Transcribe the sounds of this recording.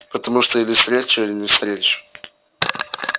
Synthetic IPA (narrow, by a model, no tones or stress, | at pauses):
pət̪əmuʂt̪oilʲɪfst̪ɾʲet͡ɕʊilʲɪnʲɪfst̪ɾʲet͡ɕʊ̥